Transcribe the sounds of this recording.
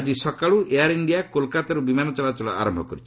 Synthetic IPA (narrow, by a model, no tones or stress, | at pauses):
d͡ʒisɔkaɭuʔeaɾiɳɖijakolkat̪aɾubimanɔt͡ʃɔlat͡ʃɔɭɔ̰a̰ɾɔmbʱɔkɔɾit͡ʃʰi̥